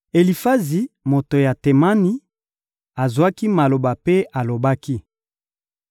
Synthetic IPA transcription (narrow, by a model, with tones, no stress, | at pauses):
e˨li˨fa˦zi˨mo˨to˨ja˨te˨ma˦ni˦ | a˨zwa˦ki˦ma˨lo˨ba˨pe˦ʔa˨lo˨ba˦ki˦